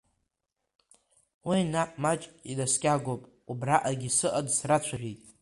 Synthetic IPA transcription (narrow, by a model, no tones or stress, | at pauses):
winaʔmat͡ʃʼidaskʲʼaɡopʼ | ubraʔaɡʲisɨʔadsrat͡ɕʷʰaʒᶣijtʼ